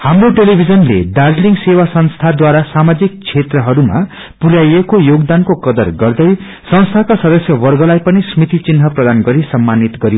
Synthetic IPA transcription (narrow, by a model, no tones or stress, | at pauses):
hamroʈelibʱid͡zʌnlḛɖad͡zliŋɡsewasʌnst̪ʰad̪waɾasamad͡zik̚t͡sʰet̪rʌɦʌɾuma̰ | puɾjajekojoɡd̪ankokʌd̪ʌrɡʌrd̪ʌj | sʌ̃ñst̪ʰakasʌd̪ʌsjʌwʌrɡʌlajpʌnismit̪it͡sinɦʌprʌd̪anɡʌɾisʌmːanit̪ɡʌɾjo